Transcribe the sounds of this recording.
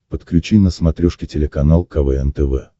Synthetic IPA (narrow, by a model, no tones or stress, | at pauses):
pət̪klʲʉt͡ɕinəsmɐt̪ɾʲɔʂkʲɪtʲɪlʲɪkɐnalˠkɐvɛɛnt̪ɛvɛ̰